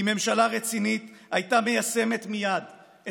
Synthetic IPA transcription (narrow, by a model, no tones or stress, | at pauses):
ime̞mʃalaʁet͡sinit̪ajt̪ame̞jase̞me̞t̪mijad̪